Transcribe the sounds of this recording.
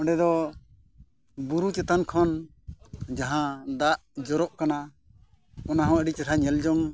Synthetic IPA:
ɔ̃ɳɖɛd̪ɔ | buɾut͡ʃɛt̪ankʰɔn | d͡ʒaɦãd̪aʔd͡ʒɔɾɔʔkana | ɔnaɦɔ̃əɖit͡ʃɛʈʰaɲɛld͡ʒɔŋ

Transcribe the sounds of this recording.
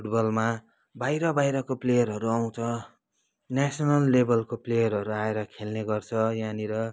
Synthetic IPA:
pʰuʈbʌlma | bajɾʌbajɾʌkoplejʌrɦʌɾuaw̃t͡sʰʌ | nasʌnʌlːebʌlkoplejʌrɦʌɾuaeɾʌkʰelneɡʌrt͡sʰʌjaniɾʌ

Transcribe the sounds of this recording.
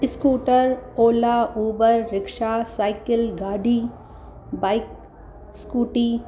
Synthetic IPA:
skuːʈəɾoːlaʔuːbəɾːɪkʃaːsaːɪkɪlɡaːɖiː | baɪk̚ | skuːʈiː

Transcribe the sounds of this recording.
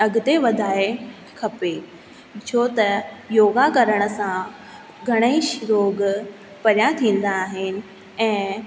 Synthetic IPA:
ɐɡʊt̪eʋɐd̪ʱaːe | kʰɐpe | t͡ɕʰoːt̪ɐjoːɡakɐɾəɽ̃ə̆sã | ɡʱɐɽ̃əiʃɾoːɡ | pɐɾjat̪ʰĩːn̆d̪aːɦɪnɪ̆ | ɛ̃ː

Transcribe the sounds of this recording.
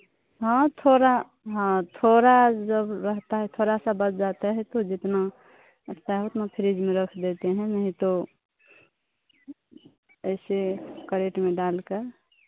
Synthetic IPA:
ɦãt̪ʰoɾa | ɦãt̪ʰoɾad͡ʒəbɾəɦt̪aɦɛt̪ʰoɾasabət͡ʃd͡ʒat̪eɦɛt̪od͡ʒɪt̪na | t̪aɦut̪napʰɪɾid͡ʒmẽɾəkʰd̪et̪eɦɛ̃nəɦĩt̪o | əɪsekəɾeʈmẽɖalke

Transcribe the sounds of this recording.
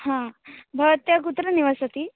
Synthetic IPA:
hãbʱəʋət̪jakut̪ɾəniʋasət̪iː

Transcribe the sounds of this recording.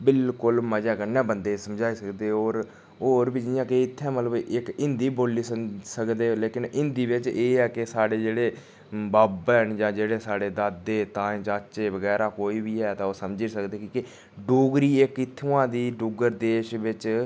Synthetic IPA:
bɪlkʊlməd͡ʒaːkənɛ̃ːbənd̪eːsəmd͡ʒaːiːsəkd̪eːoːɾ | oːɾbiːd͡ʒɪjãːkeɪt̪ʰːɛ̃ːmət̪ləbɪkɪnd̪iːboːliːsəsəkd̪eːleːkɪnɪ̃nd̪iːʋɪt͡ʃeːɛːkɪsaːɽeːd͡ʒeːɽeː | baːbɛnd͡ʒãːd͡ʒeːɽeːsaːɖeːd̪aːd̪ːeːt̪ãːẽːt͡ʃaːt͡ʃeːʋəɡɛːɾaːkoːiːbiːɛːt̪ãoːsəmd͡ʒeːsəkd̪eːkikɪ | ɖoːɡɾiːɪkɪt̪ʰːũːãːd̪iːɖuːɡəɾd̪eːʃʋɪt͡ʃ

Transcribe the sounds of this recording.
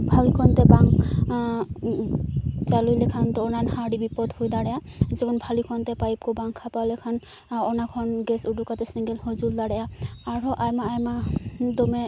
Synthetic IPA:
bʱalikʰɔnt̪ɛbaŋk | t͡ʃalujlɛkʰant̪ɔːnanhaɖibipɔd̪hojd̪aɽɛjazɛkʰɔnbʱalikʰɔnt̪ɛpajp̚kɔbaŋkʰːapalɛkʰan | ɔnakʰɔnɡɛsudukat̪ɛsiŋɡɛlhɔzuld̪aɽɛjaːɹɔʔajmaːjmad̪ɔmɛ

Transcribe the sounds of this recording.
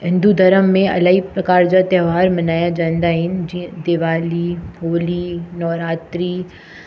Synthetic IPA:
ɦɪ̃nd̪ud̪ʱɐɾəmːẽɐ̰laɦipɾɐkaːɾd͡ʒat̪ɛːʋaːɾmɐnaːjad͡ʒãːnd̪aɦɪnd͡ʒid̪ɪʋaːliɦoːlinɔːɾaːt̪ɾiː

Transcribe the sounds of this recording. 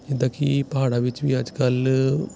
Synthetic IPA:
d͡ʒɪd̪aːkipɐɦaːɽaʋɪt͡ʃʋiːɐd͡ʒkəl

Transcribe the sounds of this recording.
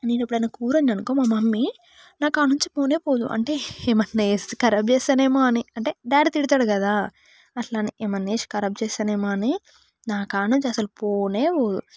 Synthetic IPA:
niːnɐpːuɽɐjnaːkuːɾoɲɐnukoːmamɐmːi | naːkaːnuɲt͡ʃi̥poːneːpoːd̪ṵʔɐ̰ɳʈe̞ːemɐnːeːskɐɾɐp̚t͡ʃɛːsaːneːmoːɐniɐɳʈe̞ːɖaːɾt̪iɽit̪aːɽukɐd̪aː | ɐslaːniemɐnːeːʃkɐɾɐp̚t͡ʃɛːsaːneːmaːni | naːkaːnuɲt͡ʃiɐsɐlupoːneːpoːd̪ṵ

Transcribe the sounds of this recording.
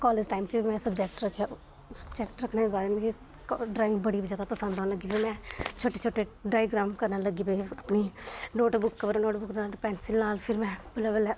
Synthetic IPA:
kɔːleːd͡ʒʈaːɪmt͡ʃːbimɛ̃ːsəbd͡ʒɛːk̚ʈɾəkʰja | sə̥bd͡ʒɛkʈɾəkʰneːbaːɾeːmei | kɖɾaːɪ̃ŋɡbəɽiːbizjaːd̪apəsə̃nd̪aːnləɡiːbemɛ̃ːt͡ʃʰoːʈeːt͡ʃʰoːʈːeːɖaːjɡɾaːmkəɾnaləɡiːbeəpniːnoːʈbʊkːəbəɾnoːʈbʊkd̪naːlpɛːnsɪlnaːlpʰɪɾmɛ̃ːbələʋəlɛː

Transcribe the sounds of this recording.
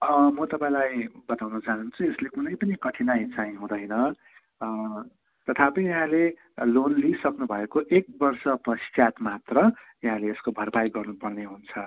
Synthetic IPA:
ʌmʌt̪ʌpaĩlajbʌt̪awnʌt͡saɦunt͡sʰueslekunʌjpʌnikʌʈʰinajt͡saĩɦũd̪ʌjnʌ | t̪ʌt̪ʰapʌnijɦãle | lonlisʌknubʱʌekoʔek̚bʌrsʌprʌst͡sjat̪mat̪rʌ | jʌɦãleːskobʱʌrpajɡʌrnupʌrneɦunt͡sʰʌ

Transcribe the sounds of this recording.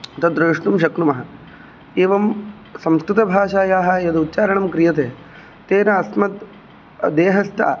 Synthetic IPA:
t̪ɐd̪ɾɐːʂʈ̪umʃɐknumɐɦɐ̆ | eːʋɐm | sɐmskɾut̪ɐbʱaːʃaːjaːɦɐ̆jɐd̪ut̪ːt͡ʃaːɾɐɳɐmkɾijɐt̪eː | t̪eːnɐːsmɐt̪ | d̪eːɦɐst̪ʰa̰ː

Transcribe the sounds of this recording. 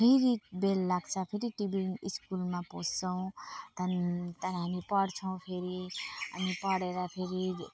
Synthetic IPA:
pʰeɾibelːaɡt͡sʰʌpʰeɾiʈibiniskulmapod͡zt͡sʰʌw̃t̪ʌnt̪ʌnɦamipʌɽt͡sʰʌw̃pʰeɾiʌ̰nipʌɽeɾʌpʰeɾi

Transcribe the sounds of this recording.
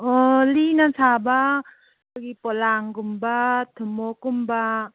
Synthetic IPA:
ɔlinasʰaba | ɯɡipɔlaŋɡumbatʰɯmokumba

